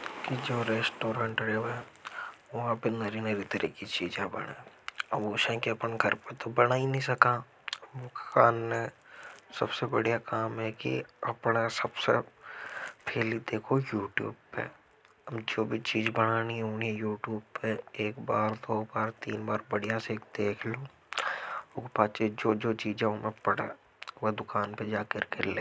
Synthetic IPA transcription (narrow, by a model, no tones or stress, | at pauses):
kid͡ʒoːɾeːsʈoːɾãːɳʈɾeːʋɦɛ | ʋɐɦãpenəɾiːnəɾit̪əɾɛkit͡ʃiːd͡ʒẽbɐ̰ɽḛ̃ːoːʃɛ̃keɐpənɡʱɐɾpet̪obɐnaːinəɦĩsɐkã | ʋokaːnmẽsɐbsebəɽijakaːmɦɛkḭɐpnasɐbsḛ | pʰeːlid̪eːkʰojuːʈjṵːbpḛ | md͡ʒoːbʱit͡ʃiːd͡ʒbəɽ̃aːniɦɦoːniɛ̃juːʈjuːbpeeːkbaːɾd̪oːbaːɾt̪iːnbaːɾbəɽ̤ijãseːkd̪eːkʰloː | ʊkpaːt͡ʃed͡ʒoːd͡ʒoːt͡ʃiːd͡ʒɛomẽpɐɽḛː | ʋod̪ʊkaːnped͡ʒaːkəɾkeleː